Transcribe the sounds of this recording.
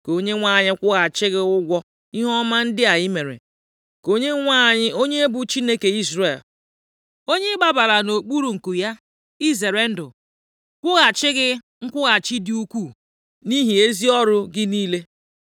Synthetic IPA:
ko˨˦ɲe˦ŋʷa˦˨ɲɪ˦kʷʊ˦ɣa˨t͡ʃɪ˦ɣɪ˦ʊ˦ɡʷɔ˦ | i˦ɦɔ˦ma˦n̩˦dɪ˦a˨ɪ˦me˨ɾḛ˨ | ko˦ɲe˦ŋʷa˦˨ɲɪ˦ʔo˦ɲe˦e˦bu˨t͡ʃi˦ne˦ke˨i˦zɾe˨l | o˦ɲe˦ɡ͡ba˦ba˨la˨no˨k͡pu˦ɾu˨ŋ̩˨ku˨ja˦ | i˦ze˨ɾe˨n̩˦dʊ̰˨ | kʷʊ˦ɣa˨t͡ʃɪ˦ɣɪ˦ | ŋ̩˦kʷʊ˦ɣa˨t͡ʃɪ˦dɪ˦u˦kʷu˦˨ | ni˦ɦi˨e˦zi˦ɔ˦ɾʊ˦ɡɪ˦niː˦le˦

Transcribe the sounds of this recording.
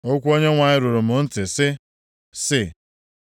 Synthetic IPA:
o˦kʷu˦o˦ɲe˦ŋʷa˨ɲɪ˦ɾʊ˨ɾʊ˨m̩ʊ˨n̩˦tɪ˨sɪ˦ | sɪ˦

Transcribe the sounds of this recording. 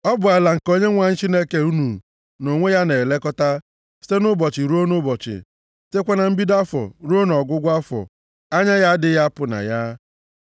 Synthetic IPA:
ɔ˦bʊ˨a˨la˨ŋ̩˨ko˦ɲe˦ŋʷa˨ɲ̩˦t͡ʃi˦ne˦ke˨u˦nu˨ | no˨ŋʷe˦ja˦ne˨le˦kɔ˦ta˦ | si̥˦te˦nʊ˦bɔ˨t͡ʃɪ˨ɾo˦nʊ˦bɔ˨t͡ʃɪ̰˨ | si̥˦te˦kʷa˦na˨m̩˦bi˦da˦fɔ̰˨ɾu˦o˦n˨ɔ˨ɡʊ˦ɡʷa˦fɔ̰˨ | a˦ɲa˦ja˦dɪ˨˦ja˦pʊ˨na̰˨ja˦

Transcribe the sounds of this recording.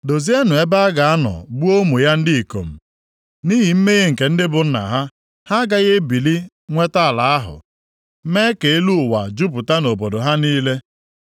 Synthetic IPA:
do˨zi˦e˦nʊ˨e˦ba˦a˦ɡa˨a˦nɔ̰˨bu˦o˦mu˨ja˦n̩˦dɪ˦i˨ko̰˨m̩˨ | niː˦ɦi˨m̩˦me˦ɣe˦ŋ̩˨ke˨n̩˦dɪ˦bʊ˨n̩˦na̰˨ɦa˦ | ha˦ɡa˦ɣe˦bi˨li˦ | ŋʷe˦ta˦a˨la˨a˦ɦʊ̰˨˦ | me˦ke˨e˦lu˦˨wa˨d͡ʒu˦pʊ˨ta˦no˨bo˨do˨ɦa˦niː˦le˦

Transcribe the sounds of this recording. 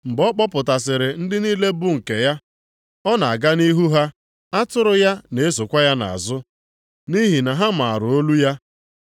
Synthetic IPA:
m̩˨bɔ˦k͡pɔ˦pʊ˨ta˨s̬ɪ˨ɾɪ˨n̩˦dɪ˦niː˦le˦bʊ˦ŋ̩˨ke˨ja˦ | ɔ˦na˨a˨ɡa˦ni˦ɦu˦ɦa˦ | a˦tʊ˦ɾʊ˨ja˦ne˨e˦so˨kʷa˦ja˦na̰˨a̰˨zʊ˦ | ni˦ɦi˨na˨ɦa˦m̩a˨a˨ɾʊ˨o˦lu˦ja˦

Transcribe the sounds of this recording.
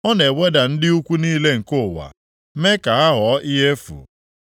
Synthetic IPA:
ɔ˦ne˨we˦da˨n̩˦dɪ˦u˦kʷu˦niː˦le˦ŋ̩˨kʊ˦˨wa̰˨˦ | me˦ka˨a˦ɦɔ˨˦ʔɪ˦ɦe˦fṵ˨

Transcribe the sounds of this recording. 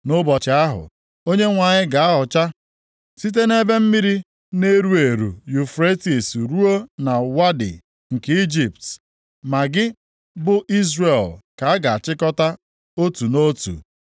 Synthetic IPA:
nʊ˦bɔ˨t͡ʃɪ˨a˦ɦʊ̰˨ | o˦ɲe˦ŋʷa˨ɲɪ˦ɡa˨a˦ɦɔ˨t͡ʃa˦ | si˦t̬e˦ne˦be˦m̩˦mi˦ɾi˦ | ne˦ɾu˦e˨ɾṵ˨ju˨fɾe˦ti˨sɾu˦o˦na˨wa˦dɪ̰˨ | ŋ̩˨ke˦i˦d͡ʒi˨p̚t | ma˨ɡɪ˦ | bʊ˦ʔi˦zre˨lka˨a˦ɡa˨a˨t͡ʃɪ˦kɔ˦ta˦ | o˦tu˨no˦tṵ˨

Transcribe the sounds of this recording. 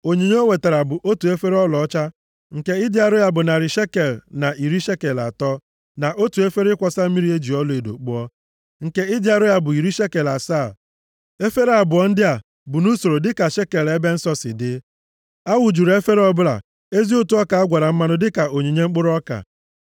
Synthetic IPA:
o˨ɲi˨ɲe˦o˦we˨te˨ɾa˨bʊ˨ʔo˦tu˨e˦fe˦ɾɔ˦lɔ˨ɔ˦t͡ʃa˦ | ŋ̩˨ke˦ɪ˦dɪ˦a˦ɾʊ˦ja˦bʊ˨na˨ɾɪ˨ʃe˦ke˨lna˨ʔi˨ɾi˦ʃe˦ke˨la̰˨tɔ˦ | na˨ʔo˦tu˨e˦fe˦ɾɪ˦kʷɔ˦sa˦m̩˦mi˦ɾi˦e˦d͡ʒi˨ɔ˦lɔ˨˦e˨do̰˨k͡pʊ˦ɔ˦ | ŋ̩˨ke˦ɪ˦dɪ˦a˦ɾʊ˦ja˦bʊ˨i˨ɾi˦ʃe˦ke˨la˨saː˦˨ | e˦fe˦ɾa˨bʊ˨ɔ˦n̩˦dɪ˦a˨ | bʊ˨nu˦so˨ɾo˨dɪ˦ka˨ʃe˦ke˨le˦be˦n̩˦sɔ˦sɪ̰˨dɪ˦ | a˦wʊ˨d͡ʒu˨ɾe˦fe˦ɾɔ˦bʊ˦la̰˨ | e˦zi˦o˦tu˦ɔ˦ka˨a˦ɡʷa˨ɾa˨m̩˦ma˦nʊ˦dɪ˦ka˨o˨ɲi˨ɲe˦ŋ͡m̩˦k͡pʊ˦ɾɔ˦ka̰˨

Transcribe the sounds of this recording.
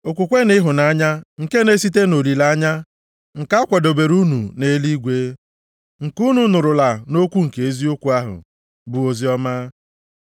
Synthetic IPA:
o˨kʷu˨kʷe˦nɪ˦ɦʊ˨na˦ɲa˦ŋ̩˨ke˦ne˦si˦t̬e˦no˨ɾi˨la˦ɲa˦ | ŋ̩˨ka˦kʷɔ˨do˨be˨ɾu˦nṵ˨ne˦li˦ɡʷe˦ | ŋ̩˨ku˦nu˨nʊ˨ɾʊ˨la˨no˦kʷu˦ŋ̩˨ke˨e˦zi˦o˦kʷu˨a˦ɦʊ̰˨ | bʊ˨o˨zi˨˦ɔ˦maː˦

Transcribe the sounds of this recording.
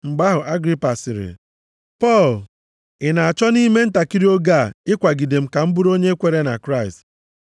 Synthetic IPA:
ŋ͡m̩˨ɡ͡ba˦ɦʊ˨ʔa˦ɡɾi˦pa˨sɪ˨ɾɪ̰˨ | pɔ˦˨l | ɪ˨na˨a˨t͡ʃɔ˦ni˦me˦n̩˦ta˨ki˦ɾi˦o˦ɡa˦˨ɪ˦kʷa˨ɡi˨de˨m̩˦ka˨m̩˦bu˦ɾo˦ɲe˦kʷe˨ɾe˦na̰˨kɾa˦ɪ˨st

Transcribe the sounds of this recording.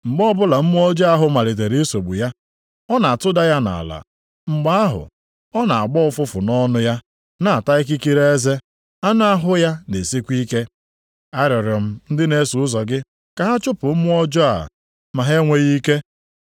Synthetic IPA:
ŋ͡m̩˨ɡ͡bɔ˦bʊ˦la˨m̩˦mʊ˦ɔ˦d͡ʒɔ˦a˦ɦʊ˨ma˨ɾɪ˨t̬e˨ɾe˦e˦so˨ɡ͡bṵ˨ja˦ | ɔ˦na˨a˨tʊ˦da˦ja˦na̰˨la̰˨ | ŋ͡m̩˨ɡ͡ba˦a˦ɦʊ̰˨ | ɔ˦na˨a˨ɡ͡bɔ˦ʊ˦fʊ˦fʊ˨nɔ˦nʊ˦ja˦ | na˦˨a˨ta˦ɪ˦k̬i˦ki˦ɾe˦e˦ze˦ | a˦nʊ˦a˦ɦʊ˦ja˦ne˨si˦kʷi˦ke˦ | a˦ɾɔ˨ɾɔ˨m̩˦n̩˦dɪ˦ne˦su˨ʊ˦zɔ˨ɡɪ˦ | ka˨ɦa˦t͡ʃʊ˦pʊ˨m̩˦mʊ˦ɔ˦d͡ʒɔ˦a̰˨ | ma˨ɦe˦ŋʷe˦ɣi˦ke˦

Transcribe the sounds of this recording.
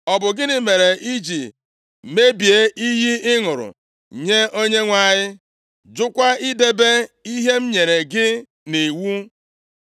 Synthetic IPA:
ɔ˨bʊ˨ɡɪ˦nɪ˨me˨ɾe˨i˦d͡ʒi˨ | me˦bi˨e˦ʔi˦ji˦ɪ˦ŋʊ˨ɾʊ̰˨ | ɲe˦ʔo˦ɲe˦ŋʷa˦˨ɲɪ˦ | d͡ʒʊ˦kʷa˦ɪ˦de˦be˦i˦ɦe˦m̩˦ɲe˨ɾe˨ɡɪ˦ | ne˨wu˦

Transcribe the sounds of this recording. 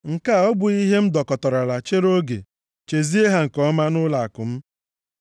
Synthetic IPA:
ŋ̩˨ka˦˨ɔ˦bʊ˨i˦ɦe˦m̩˦dɔ˨kɔ˨tɔ˨ɾa˨la˨t͡ʃe˦ɾo˦ɡḛ˨ | t͡ʃe˨zi˦e˦ɦa˦ŋ̩˨kɔ˦ma˦nʊ˦la˨a˨kʊ˨m̩˦

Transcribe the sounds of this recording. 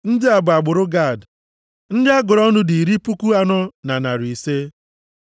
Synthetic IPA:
n̩˦dɪ˦a˨bʊ˨a˨ɡ͡bʊ˨ɾʊ˦ɡa˦˨d | n̩˦dɪ˦a˦ɡʊ˨ɾɔ˦nʊ˦di˨ɾi˦pu˦ku˦a˨nɔ˦na˨na˨ɾi˨se˦

